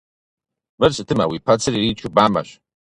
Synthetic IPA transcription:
mɨrsɨtʰɨma̰wipʰat͡sʰɨriɾit͡ʃʷʰubama̰ʃʷ

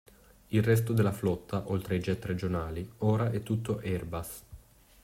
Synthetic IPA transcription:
ilrɛs̬t̪od̪elːaflɔt̪ːaʔolt̪ɾeid͡ʒɛt̪ːɾed͡ʒonaːlioːɾaʔɛt̪ːut̪ːoʔɛrbas

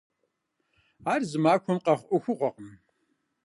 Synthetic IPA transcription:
aːrzɨmaːkʷʰɔmqɐχʷʔʊxʷʊʁʷɔqəm

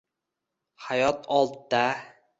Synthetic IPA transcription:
hajɒt̪ʰɒlˠt̪d̪a

